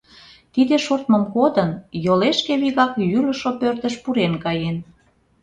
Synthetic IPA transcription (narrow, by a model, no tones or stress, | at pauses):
t̪id̪eʃort̪̚məmkod̪ənjoleʃkeβiɣɑkjylə̆ʃopørt̪əʃpuɾenkɑjen